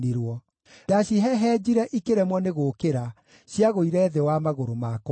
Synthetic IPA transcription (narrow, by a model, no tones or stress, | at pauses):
iɾwɔ | daɕiɦɛɦɛd͡ʑiɾɛʔikeɾɛmwɔneɣoːkeɾa | ɕjaɣoiɾɛːðɛwamaɣoɾomak